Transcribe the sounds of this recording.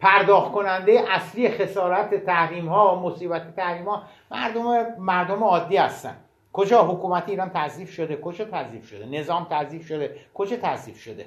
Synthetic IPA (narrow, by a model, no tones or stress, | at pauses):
pʰæɾd̪ɒːxt̪̚kʰo̞nænd̪ejeʔæslije̞xe̞sɒːɾæt̪ʰet̪ʰæhɾiːmhɒːmosiːbæt̪ʰet̪ʰæhɾiːmhɒː | mæ̰ɾd̪omemæɾd̪omeɒːd̪ːiːhæst̪æ̰n | kʰod͡ʒɒːɦokuːmæt̪ʰiːɾɒːnt̪ʰæziːfʃod̪ekʰod͡ʒɒːt̪ʰæziːfʃod̪ene̞zɒːmt̪ʰæziːfʃod̪ekʰod͡ʒɒːt̪ʰæziːfʃod̪ḛ